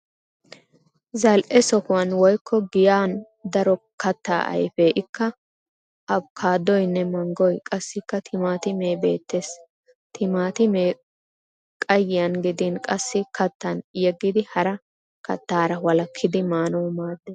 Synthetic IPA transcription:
zɐlʔɛsɔkʊwɐnwɔjkʰːɔɡɪjaːn | d̪ɐɾɔ | kɐt̪ːa̰ːʔɐ̰jfeʔɪkʰːɐ | ʔɐbkʰaːd̪ːɔjnːɛmɐŋɡɔjkʼɐsːɪkːɐt̪ʰɪmaːt̪ɪmeːbe̞̰ːt̪ːeːs | t̪ʰɪmaːt̪ɪmeː | kʼɐjːɪjɐnɡɪd̪inkʼɐsːɪkʰɐt̪ːɐnjɛɡːɪd̪ɪhɐɾɐ | kɐ̰t̪ːaːɾɐwɐlɐkʰːɪd̪ɪmaːnɔwmaːd̪ːeː

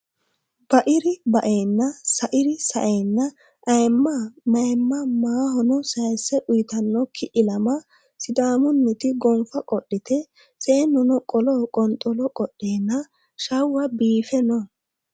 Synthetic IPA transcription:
b̥ɐʔɪɾɪbɐʔeːnːɐsɐʔɪɾɪsɐʔejnːɐ | ʔɐjmːɐmɐjmːɐmaːɦɔnɔsɐjsɛʔʊjt̪ɐnːɔkʰɪʔɪlɐmɐ | sɪd̪aːmʊnːɪt̪ɪɡɔmfɐkʼɔɗːɪt̪ɛ | seːnːʊnɔkʼɔlɔkʼɔnt̪ʼɔlɔkʼɔɗeːnːɐ | ʃɐwːɐbiːfɛnɔ

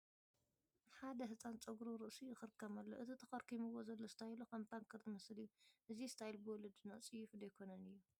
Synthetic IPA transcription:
ħad̪ɐɦɨsʼant͡sʼɐɡɾuɾɨʔsijɪxɨɾɨkʰːɐmɐlːoʔɨt̪ʰit̪ʰɐkɐɾkʰimɨwozɐlːost̪ʰajlukɐmt̪ʰaŋkʰɨɾzɨmɐslɨjːuʔɨzist̪ʰajlbɨwɔlɨd̪nɐʔt͡sʼijːufɨd̪ejkʰonɐnɨjːu

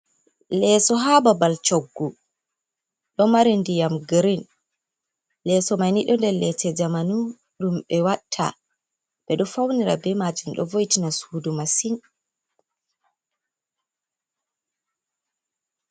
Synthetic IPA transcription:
lɛsɔɦababalt͡ʃoɡːu | ɗɔmaɾindijamɡɾin | lɛːsɔmajniɗɔndɛɾlɛtʰɛd͡ʒamanu | ɗumɓɛwatʰːa̰ | bɛɗɔfawniɾa̰bɛmad͡ʒumɗɔ̰vojtinasudumasin

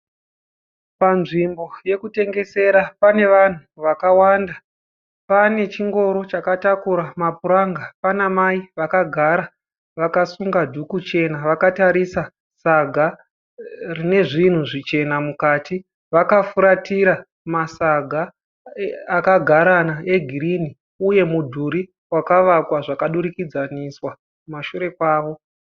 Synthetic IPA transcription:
panʐimbo̞je̞kute̞ŋɡe̞se̞ɾapane̞ʋan̤uʋakawanda | pane̞t͡ʃiŋɡo̞ɾo̞t͡ʃakatakuɾamap̚uɾaŋɡapanamaiʋakaɡʱaɾa | ʋakasuŋɡadʱukut͡ʃe̞naʋakataɾisa | saɡʱa | rine̞ʐin̤uʐit͡ʃe̞namukaːti | ʋakafuɾatiɾa | masaɡʱa | akaɡʱaɾanae̞ɡʱiɾini | uje̞mudʱuɾi | wakaʋakwaʐakaɗuɾikid͡zaniswa | kumaʃuɾe̞kwaːʋo̞

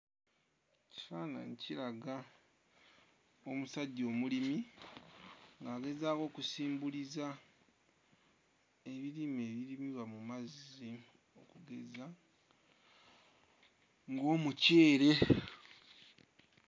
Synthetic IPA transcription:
ci̥faːna̰niciɾaɡa | o̞musaɟːo̞ːmulimi | ŋɡaːɡe̞zaːko̞ːkusiːmbuliza | e̞βiɾime̞ːβiɾimiβamumazi | o̞kuɡe̞za | ŋɡo̞ːmuce̞ːɾe̞

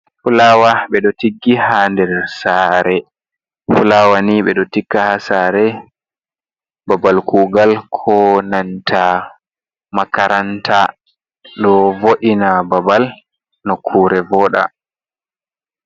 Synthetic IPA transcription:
fulawaɓɛɗɔtiɡːihandɛɾsaːɾɛ | fulawaniɓɛɗɔtikːahasaːɾɛ | babalkuːɡalkʰɔnantʰa | makaɾʔantʰa | ɗɔvoʔinababal | nɔkʰuːɾɛvɔːɗa̰

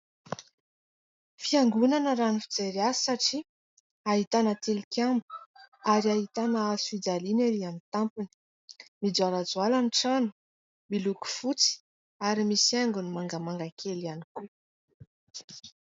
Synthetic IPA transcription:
fiaŋɡunanəɾanifid͡zeɾiasi̥saʈ͡ʂi | aɦit̪anət̪elikʲambu̥aɾiaɦit̪anəasfid͡zalineɾiamit̪ampini̥ | mid͡zualad͡zwalaniʈ͡ʂanu | miluku̥fut͡si̥ | aɾimisaŋɡunimaŋɡəmaŋɡakʰelianiku

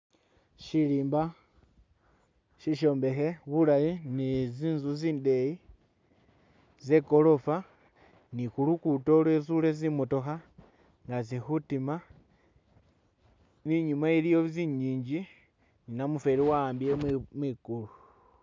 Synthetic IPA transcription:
ʃiliːmba | ʃiʃo̞ːmbe̞xe̞βulajiniziːnzuziːnde̞ji | ze̞ko̞lo̞fa | nikulukuto̞lwesule̞zimoto̞xa | ŋɡazixutima | niɲumailijo̞ziɲiːɲd͡ʒi | ninamufe̞liwambiemwikulu

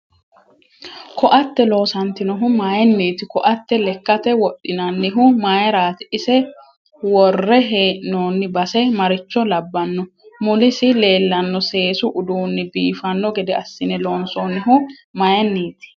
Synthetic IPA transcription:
kɔʔɐt̪ːɛlo̞ːsɐnt̪ɪnɔɦʊmaːjɛnːiːt̪ɪkɔʔɐt̪ːɛlɛkːɐt̪ɛwɔɗːɪnɐnːɪɦʊmaːjɛɾaːt̪ɪʔɪsɛ | wɔrːɛɦeːʔnoːnːɪbɐsɛmɐɾɪt͡ʃːɔlɐbːɐnːɔ | mʊlɪsɪle̞ːlːɐnːɔse̞ːsʊʔʊd̪uːnːɪbiːfɐnːɔɡɛd̪ɛɐsːɪnɛlo̞ːnsoːnːɪɦʊ | mɐjɛnːiːt̪ɪ̥

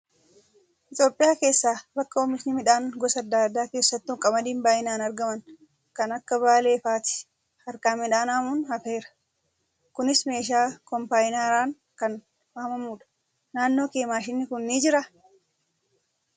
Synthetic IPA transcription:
hɪt̪ʼoːpʼːɪjaːke̞ːsːaːbɐkːɐɔmɪsnɪmɪᶑaːŋɡɔsɐd̪ːaːd̪ːaːke̞ːsːɐt̪ːʊŋkʼɐmɐd̪iːmbaːʔɪnaːnɐɾɡɐmɐn | kɐnɐkːɐβaːle̞ːfaːt̪ɪ̥ | ɐɾkaːmːɪᶑaːnaːmunhɐfe̞ːɾɐ̥ | kʊnɪsme̞ːʃ̬aːkɔmpaːjɪnaːɾaːŋ | kɐn | aːmɐmuːᶑɐ̥ | naːnːo̞ːkeːmaːʃɪnːɪkʊnːiːd͡ʒɪɾɐ

